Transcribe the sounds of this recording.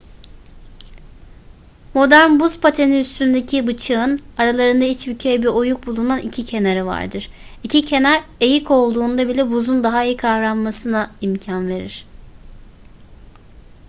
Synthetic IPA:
mo̞d̪æɾnbuspʰat̪ʰeniyst̪ynd̪e̞cʰibɯt͡ʃʰɯɯnaɾalˠaɾɯnd̪ait͡ʃbycʰejɛbiɾo̞juk̚bulˠunanicʰicʰe̞neɾɛva̰ɾd̪ɯɾ̥icʰicʰe̞næɾe̞jikʰo̞lˠd̪uːnd̪abilʲɛbuzund̪aɦaijikʰavɾammasɯnaimcʰanve̞ɾiɾ̝̥

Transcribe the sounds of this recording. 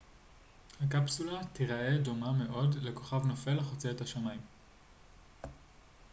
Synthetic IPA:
hakapsulatiʁaʔe̞do̞mame̞ʔo̞dle̞ko̞χavnofe̞lχot͡seethaʃamaim

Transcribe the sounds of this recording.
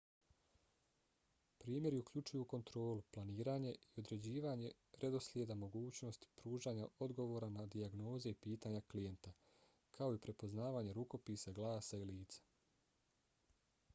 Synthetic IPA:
pɾiːmje̞ɾiukʎut͡ʃujuko̞nt̪ɾo̞ːluplˠaniːɾaːɲe̞io̞d̪ɾe̞d͡ʑiːʋaɲe̞ | ɾed̪o̞slʲjed̪amo̞ɡuːt͡ɕno̞st̪pɾuːʒaːɲao̞d̪ɡo̞ʋo̞ːɾanad̪iaɡno̞ːze̞ipiːt̪aɲaklije̞nt̪a | kʰao̞ipɾe̞po̞znaːʋaːɲeɾuko̞piːsaɡlˠaːsailiːt̪sḁ

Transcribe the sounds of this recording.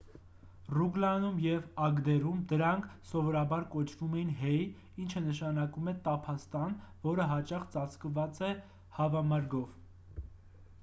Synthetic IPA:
ruɡlɑnumjɛvɑɡd̪ɛɾumd̪əɾɑŋkʰsɔvɔɾɑbɑɾkɔt͡ʃʰvumɛjinɦɛj | int͡ʃʰənəʃɑnɑkumɛt̪ɑpʰɑst̪ɑnvɔɾəɦɑt͡ʃɑχt͡sɑt͡sʰkəvɑt͡sɛ | hɑvɑmɑɾɡɔv

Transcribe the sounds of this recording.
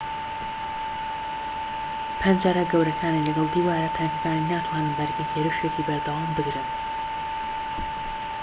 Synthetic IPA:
pʰɛnd͡ʒaːɾɐɡɐwɾɐkʰaːnilɐɡɐlˠd̪iːwaːɾat̪ʰɛŋkɐkaːninaːt̪ʰwaːnɨnbɐɾɡeheːɾɨʃekibɐɾd̪ɐwaːmbɨɡɾɨn

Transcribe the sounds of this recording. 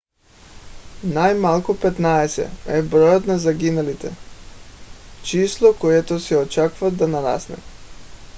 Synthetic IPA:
najmalˠkupɛt̪naɛsɛ̰ɛbɾɔjot̪nazaɡinalit̪ɛ̰ | t͡ʃislˠɔkojɛt̪osɛɔt͡ʃakvad̪anaɾa̰snɛ̰

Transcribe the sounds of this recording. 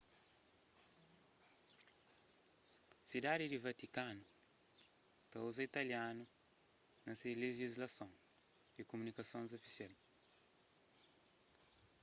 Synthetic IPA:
sid̪ad̪id̪ivɐt̪ikanu | t̪ɐuzɐit̪ɐljanu | nɐseleʒizlɐsõw̃ | d̪̥ikomunikɐsõnzofi̥sial

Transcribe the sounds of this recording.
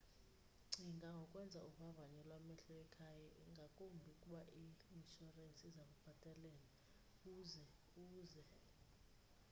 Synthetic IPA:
ŋ͡ǀʱiŋɡʱaŋɡʱɔkʼwɛnd͡zʱauɓavaɲɛlwamɛɬɔɛkʰajaiŋɡʱakʼombʱikʼuɓaʔiinʃɔrant͡sʼizaɓab̥ʱatʼalɛːla | kuːzɛ | uːzɛ

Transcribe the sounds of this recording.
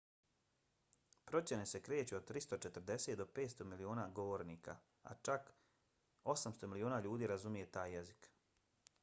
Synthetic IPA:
pɾo̞t͡ɕe̞ne̞se̞kɾe̞ːt͡ɕeod̪̚t̪ɾist̪o̞t͡ʃet̪əɾd̪e̞seːt̪̚d̪ope̞ːt̪st̪o̞milioːnaːɡo̞ʋo̞ɾniːka̰ | a̰t͡ʃak | o̞samst̪omilioːnaːʎuːd̪iːɾazumije̞t̪aːjːezik

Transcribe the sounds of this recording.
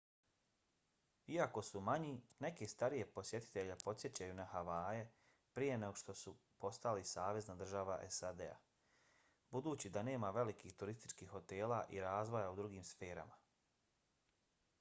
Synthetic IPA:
iako̞sumaɲine̞ke̞st̪aɾije̞po̞sje̞t̪i̥t̪e̞ʎepo̞t̪sje̞t͡ɕajunahaʋaːje | pɾije̞neɡoʃt̪o̞supo̞st̪alisaːʋe̞znad̪r̩ʒaʋaʔḛsad̪ḛa̰ | bud̪uːt͡ɕid̪ane̞ːmaʋe̞likiːht̪uɾist̪i̥t͡ʃkiːxo̞t̪e̞ːlaʔiɾaːzʋo̞jaud̪ɾuɡiːmsfe̞ːɾa̰ma

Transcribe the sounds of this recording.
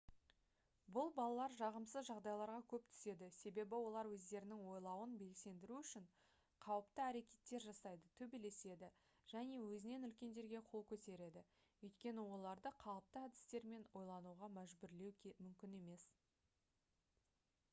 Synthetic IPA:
bʊlˠbɑlˠɑlˠɑɾʒɑʁəmsəzʒɑʁd̪ɑjlˠɑɾʁɑkʲʰɵpt̪ʰʏ̥se̞d̪ɪse̞be̞bɪwo̞lˠɑɾwɵzd̪e̞ɾɪnɪŋwo̞jlˠɑwənbe̞lse̞nd̪ɪɾuʏʃɪɴ | qʰɑwəpt̪əæɾe̞kʲe̞̥t̪ːe̞ɾʒɑsɑjd̪ət̪ʰɵbe̞le̞se̞d̪ɪ | ʒ̥æne̞wɵzɪne̞nʏlkʲe̞nd̪e̞ɾɡʲe̞qʰo̞lˠkʲʰɵt̪e̞ɾe̞d̪ɪ | ɵjt̪kʲe̞nɪwo̞lˠɑɾd̪əqʰɑlˠəp̚t̪əæd̪ɪ̥st̪e̞ɾme̞nwo̞jlˠɑnuʁɑmæʒbʏɾle̞wmʏmkʲɪne̞me̞s

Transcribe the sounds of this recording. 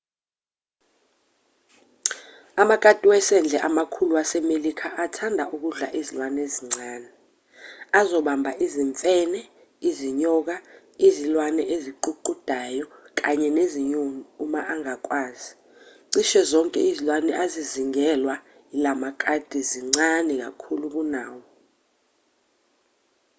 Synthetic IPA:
amakʼatʼiwɛsɛnd͡ɮʱɛʔamakʰuluasɛmelikʰaʔatʰandʱaʔuk̬uɮaʔizilwaneziŋ͡ǀʱaːnɛ | azɔɓambʱaʔiziɱfʼɛnɛ | iziɲɔk̬a | izilwanɛʔeziǃuǃud̥ʱajɔk̬aɲɛneziɲumumaʔaŋak̬ʼwaːzi | ǀiʃɛzɔŋkʼɛ̰izilwanɛʔaziziŋɛlwa | ilamakʼad̥ʱiziŋ͡ǀanɛk̬a̰kʰuluk̬unaːwɔ

